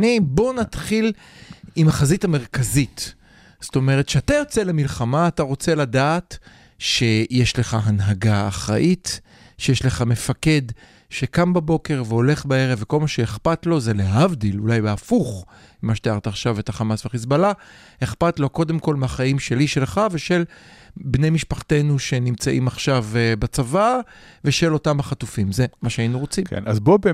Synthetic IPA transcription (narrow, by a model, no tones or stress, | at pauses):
nibo̞nat̪χil | imaχazithame̞ʁkazit | z̥o̥t̪o̞me̞ʁet̪ʃeat̪ajo̞t͡se̞lemilχamaːtaʁo̞t͡se̞ladaːt | ʃe̞jeʃle̞χaɦanɦaɡaːχʁa̰ʔit | ʃejeʃle̞χame̞fake̞d | ʃe̞kambabo̞ke̞ʁveo̞le̞χbae̞ʁevːeko̞lmaʃeeχpatlo̞ze̞leɦavdilulajbeafuχ | imaʃet̪iaʁtaːχʃavetaχamasveχis̬bala | heχpatlo̞ko̞d̪e̞mko̞lmeaχaimʃe̞liʃe̞lχave̞ʃe̞lbnejmiʃpaχte̞nuʃe̞nimt͡saʔimaχʃavbat͡sava | ve̞ʃelo̞tamhaχatufimze̞maʃeainuʁo̞t͡simkḛnazbobe